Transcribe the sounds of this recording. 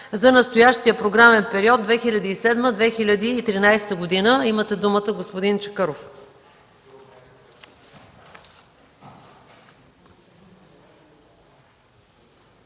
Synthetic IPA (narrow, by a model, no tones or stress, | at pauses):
zɐnəst̪ojaʃt̪ijəpɾoɡɾamɛnpɛɾiɔd̪̚d̪vɛxilʲəd̪iːsɛd̪məd̪vɛxilʲəd̪iːt̪ɾinajst̪əɡod̪inəimət̪ɛd̪umət̪əɡospod̪int͡ʃə̥kɤɾof